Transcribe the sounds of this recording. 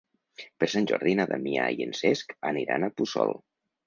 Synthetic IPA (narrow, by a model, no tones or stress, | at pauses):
peɾsanʲʒoɾðinaðamiajenseskaniɾanapusɔ̰lˠ